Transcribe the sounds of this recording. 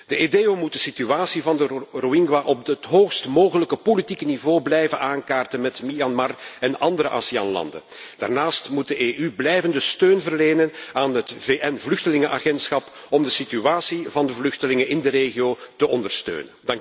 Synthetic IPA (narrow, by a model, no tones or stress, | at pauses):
d̥əedeːomut̚dəsityaːsivɑndəruɪŋɡwaʔɔb̚ətɦoːxstmoːɣələkəpolitikənivoːblɛjvənʔaːŋkaːrtənmɛtmiɑnmɑrɛnɑndəɾəʔa̰sia̰ːnlɑ̰ndə̰nd̥a̰ːrnaːstmut̚dəʔeːʔyblɛjvəndəstøːnvərleːnənaːnɦətveːʔɛnvlʏxtəlɪŋəʔa̰ɣɛntsxɑp | ɔmdəsityaːsivɑndəvlɵxtəlɪŋənɪndəɾeːɣijoːtəʔɔndərstø̰ːnəndɑŋk